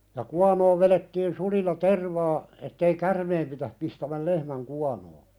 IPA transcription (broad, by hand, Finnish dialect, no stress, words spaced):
jɑ kuɑnoːʋ ʋeletːiːn sulilːɑ terʋɑː etːei kærmeːm pitæh pistæmæl lehmæŋ kuɑnoː